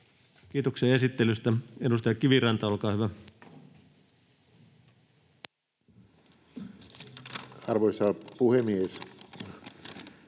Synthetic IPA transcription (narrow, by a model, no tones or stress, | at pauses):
k̟iːt̪okseɑe̞sit̪ːelyst̪æedust̪ɑjɑkiʋirɑnt̪ɑolkɑːhyʋæ | ɑrʋoisɑpuhemies